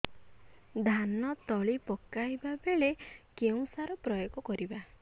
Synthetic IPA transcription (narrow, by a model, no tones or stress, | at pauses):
d̪ʱanɔt̪ɔɭipɔkajbabeɭekeũsaɾɔpɾɔjɔkɔkɔɾiba